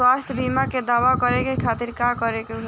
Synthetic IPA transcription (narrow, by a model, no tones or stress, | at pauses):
wast̪ʰjəbʱimaked̪aʋakʌɾekekʰat̪iɾkakʌɾekeɦ